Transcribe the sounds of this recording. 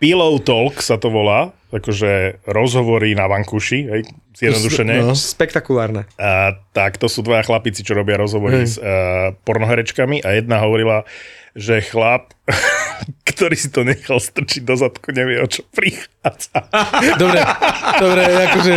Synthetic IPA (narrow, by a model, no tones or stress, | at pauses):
pilɔʊt̪ɔlksat̪ɔʋɔlaː | akɔʒɛɾɔzɦɔʋɔɾinaʋaŋkuʃiɦɛjz̥jɛd̪nɔd̪uʃɛɲɛspɛkt̪akulaːɾnɛt̪akt̪ɔsuːd̪ʋajaxlapit͡sit͡ʃɔɾɔbɪaɾɔzɦɔʋɔɾisəpɔɾnɔɦɛɾɛt͡ʃkamiʔajɛd̪̚naɦɔʋɔɾilaʒɛxlap̚ | kt̪ɔɾiːsit̪ɔɲɛxalst̪r̩t͡ʃiɟ̚d̪ɔzat̪kuɲɛʋɪɛɔt͡ʃɔ̥pɾixad͡zad̪ɔbɾɛdɔbɾɛakɔʒɛ